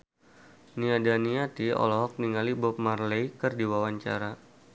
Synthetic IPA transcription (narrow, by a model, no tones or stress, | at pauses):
niadaniat̪iɔ̰lɔɦɔk̚niŋalibɔp̚marlejkərdiwawaɲt͡ʃa̰ɾa